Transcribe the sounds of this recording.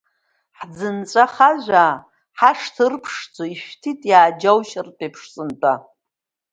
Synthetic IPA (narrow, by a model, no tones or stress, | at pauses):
ħd͡zɨnt͡sʷʼaχaʒʷaː | ħaʂtʰɨrpʰʂt͡sʰʼoiʃᶣtʰitʼjaːd͡ʒawʃrtʼepʰʂsʼɨntʼa